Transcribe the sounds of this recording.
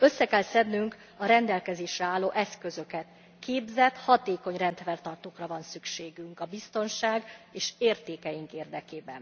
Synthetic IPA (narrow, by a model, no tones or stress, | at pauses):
ø̞sːɛkɛlsɛd̪nːyŋk | ɒɾɛnd̪ɛlkɛzeːʃrɛaːlːoːʔɛskø̞zø̞kɛt̪ | kʰeːbzɛt̪hɒt̪eːko̞ɲrɛnt̪fɛrt̪ɒrt̪oːkrɒvɒnsykʃeːɡyŋkɒbist̪o̞nʃaːɡeːʃeːrt̪eːkɛjiŋkeːrd̪ɛkeːbɛn